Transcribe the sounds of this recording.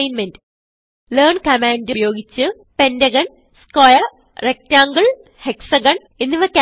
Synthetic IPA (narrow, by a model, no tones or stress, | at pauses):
jnmendɨ | lerɳkɐmaːndujo̞ːɡit͡ɕːɨ | pe̞ndɐɣɐɳ | skojɐ | rek̚taːŋɡɐɭ | heksɐɡɐɳ | enːiʋɐkʲː